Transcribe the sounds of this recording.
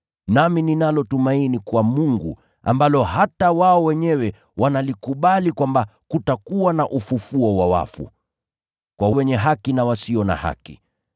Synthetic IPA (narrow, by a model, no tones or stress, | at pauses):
namininalɔtumainikuwamuŋɡṵ | a̰mbalɔhatawaɔwɛɲɛwɛ | wanalikuɓalikwambakutakuwanaʔufufuɔwawa̰fṵ | kwawwɛɲɛɦakinawasiɔna̰ha̰kḭ